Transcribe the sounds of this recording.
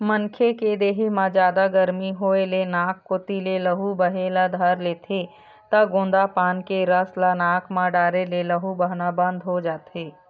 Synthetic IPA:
mənkʰeked̪eːɦimãd͡ʒjaːd̪aɡəɾmiɦoːelenaːkːʊt̪ileləɦubəɦelad̪ʱəɾleːt̪ʰe | t̪ɐɡõːnd̪apaːnkeɾəslanaːkʰmãɖaːɾeleləɦubəɦnabə̃nd̪ʱɦod͡ʒaːt̪ʰeː

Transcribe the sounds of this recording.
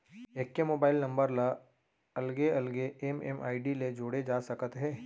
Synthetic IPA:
eːkːemoːbaːɪlnɐ̃mbəɾla | ɐlɡeɐlɡeemɛ̰mʔa̰ːiɖiled͡ʒoːɽed͡ʒaːsɐkət̪ɦɛ̃ː

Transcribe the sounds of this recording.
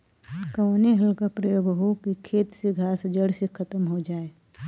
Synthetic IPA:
kəʋneɦəlkapɾəjoːɡɦokikʰeːt̪seɡʱaːsd͡ʒəɽsekʰət̪əmɦod͡ʒaːe

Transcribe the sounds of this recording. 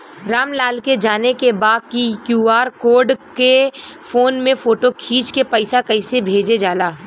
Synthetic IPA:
ɾaːmlaːlked͡ʒaːnekebaːd̪̚kikjuːaːɾkoːɾɖkefoːnmẽfoːʈokʰiːt͡ʃkepɐɪsakɐɪsebʱeːd͡ʒed͡ʒaːlaː

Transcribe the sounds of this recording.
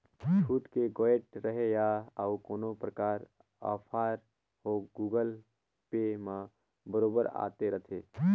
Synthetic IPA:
t͡ʃʰuːʈkeɡoːeʈ̚ɾəɦejaəukoːnopɾəkaːɾ | a̰pʰaːɾ | ɦoɡuːɡəl | pemã | bəɾoːbəɾa̰ːt̪eɾət̪ʰe

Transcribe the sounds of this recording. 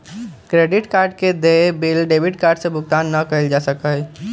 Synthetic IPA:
kɾeɖiʈkaːɾɖked̪ebelɖebiɖkaːɾɖsẽbʱʊɡ̚t̪anːəkəɪld͡ʒasəkəj

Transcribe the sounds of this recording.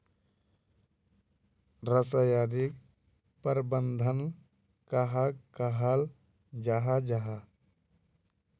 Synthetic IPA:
ɾəsajaɾik | pəɾbənd̪ʱən | kaɦakaɦal | d͡ʒaɦad͡ʒaɦa

